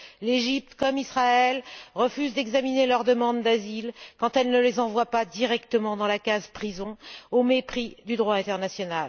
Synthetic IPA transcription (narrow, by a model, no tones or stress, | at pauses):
leʒip̚t̪kɔmisχaɛlʁəfyzd̪ɛɡzaminelœʁd̪əmɑ̃d̪ːazilkɑ̃t̪ɛlnəlezɑ̃vwapad̪iʁɛkt̪əmɑ̃d̪ɑ̃lakazpχizɔ̃omepχid̪yd̪ʁwaɛ̃t̪ɛʁnasjɔnal